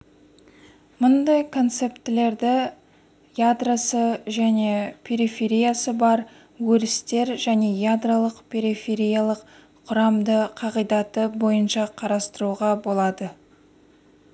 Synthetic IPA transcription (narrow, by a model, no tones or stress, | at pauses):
mʊnd̪ɑjkʰo̞nt̪se̞pt̪ɪle̞ɾd̪ɪ | jad̪rasəʒæne̞pʲʰe̞ɾifʲe̞ɾijasəbɑɾ | wɵɾɪst̪e̞ɾʒæne̞jad̪ralˠəqpʰʲe̞ɾifʲe̞ɾijalˠəq | qʰʊɾɑmd̪əqʰɑʁəjd̪ɑt̪əbo̞jənʃɑqʰɑɾɑst̪əɾuʁɑbo̞lˠɑd̪ə